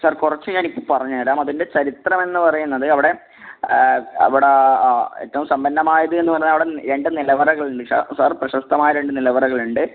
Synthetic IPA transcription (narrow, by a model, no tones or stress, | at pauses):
saːrkurɐt͡ɕːuɲaːnikʲːɨpɐrɐɲːaːɾaːmɐðinde̞t͡ɕɐɾit̪rɐme̞nːɨpɐrɐjunːɐðɨɐʋiɽe̞ | ɐ̰ʋiɽeḛtːɐʋumsɐmbɐnːɐmaːjɐðɨe̞nːɨpɐrɐinːɐʋiɽeɾe̞ɳɖɨnilɐʋɐɾɐɣɐɭuɳɖɨsa̰ːsaːrprɐɕɐst̪ːɐmaːjɐɾe̞ɳɖɨnilɐʋɐɾɐɣɐɭuɳɖɨ